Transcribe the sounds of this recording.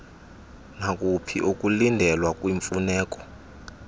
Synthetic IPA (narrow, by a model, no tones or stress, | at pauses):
nakʼupʰḭʔukʼulindʱɛlwakʼwiɱfunɛːkʼɔ̥